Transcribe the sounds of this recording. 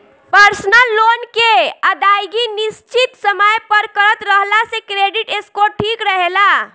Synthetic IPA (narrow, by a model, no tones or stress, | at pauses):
pəɾsnəlːonkeəd̪ajɡinist͡ʃit̪səməjpəɾkəɾət̪ɾəɦlasekɾeɖiʈeskoʈʰikɾəɦela